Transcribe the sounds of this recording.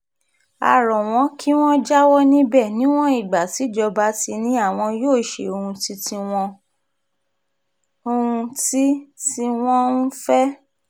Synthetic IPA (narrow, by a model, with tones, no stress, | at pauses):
a̰˨ɾɔ˨w̃ɔ̃˨˦kʰi˦w̃ɔ̃˦d͡ʒa˦wɔ˦nĩ˦bɛ˦˨nĩ˨˦w̃ɔ̃˦i˦˨ɡ͡ba˨ti˨˦d͡ʒɔ˧ba˧˦ti˧nĩ˦a˦˨w̃ɔ̃˧joː˦˨ʃḛ˨o˧hũ˧ti˦tĩ˧w̃ɔ̃˧ | o˧ũ˧ti˦ti˧w̃ɔ̃˦n̩˦fɛ˦